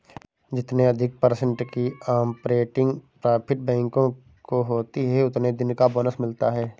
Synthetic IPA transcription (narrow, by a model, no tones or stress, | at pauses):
d͡ʒɪt̪neɐd̪ʱɪk̚pəɾsə̃ɳʈkiaːmpɾeːʈɪ̃ŋɡpɾaːpʰɪʈ̚bɛ̃ːŋkõ | koɦoːt̪iɦɛʊt̪ned̪ɪnkaboːnəsmɪlt̪aɦɛː